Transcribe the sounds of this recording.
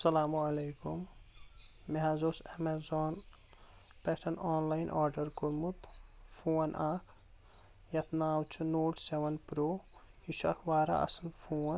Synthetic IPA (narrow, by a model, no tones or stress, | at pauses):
sɐlaːmɐleːkumː | eɦazoːsemezɔːn | peʈʰɐnɔːnlajnʔɔːɾɖɐɾkuɾmut̪pʰoːnʔaːkʰ | jɐt̪naːwt͡ʃʰunoːʈseʋɐnpɾoː | hiʃa̰kʰʋaːɾa̰ʔɐ̰slpʰo